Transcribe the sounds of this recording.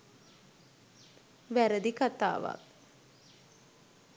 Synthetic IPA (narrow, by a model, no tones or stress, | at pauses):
ʋæɾəd̪ikat̪a̰ːʋa̰k̚